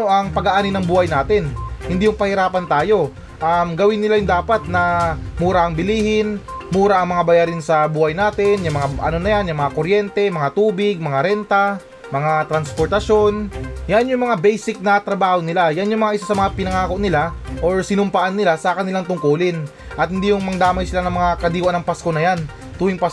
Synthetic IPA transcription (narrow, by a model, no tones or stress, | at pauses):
oʔɐŋpɐɡɐʔaːnɪnːɐŋbuːhɐjnaːt̪ɪnhɪnd̪ijʊŋpɐhɪɾaːpɐnt̪aːjo̞ | ʔamɡɐwɪnːɪlajʊŋd̪aːpɐt̪̚nɐmuːɾaʔɐŋbɪliːhɪnmuːɾaʔɐŋmɐŋabɐjaːɾɪnsɐbuːhɐjnaːt̪ɪnjʊŋmɐŋaʔɐ̰no̞nɐjanjɐŋmɐŋakoɾjɛnt̪ɛmɐŋat̪uːbɪɡ̚mɐŋaɾɛnt̪ɐ | mɐŋat̪ɾɐnspoɾt̪ɐʃo̞njanjʊŋmɐŋabɛjsɪk̚nɐt̪ɾɐbaːho̞nɪlajanjʊŋmɐŋaʔɪsasɐmɐŋapɪnɐŋaːko̞ʔnɪlaʔoɹsɪnʊmpɐʔanːɪlasɐkɐnɪlaŋt̪ʊŋkuːlɪn | ʔɐt̪̚hɪnd̪ijʊŋmɐŋd̪aːmɐjsɪlanɐŋmɐŋakɐd̪iːwanɐŋpasko̞nɐjan | t̪uːɪŋpas